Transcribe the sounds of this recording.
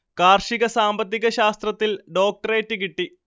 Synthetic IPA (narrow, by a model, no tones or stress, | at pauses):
kaːrʂiɣɐsaːmbɐt̪ːiɣɐɕaːst̪rɐt̪ːilɖo̞ːk̚ʈɐreːtːɨkiʈːi